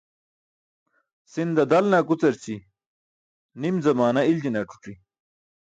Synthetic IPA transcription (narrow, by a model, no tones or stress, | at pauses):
sind̪ɐd̪ɐlnakut͡sɐɾt͡ɕi | nimzɐmaːnɐild͡ʑ̪inaʈu̥ʈ͡ʂi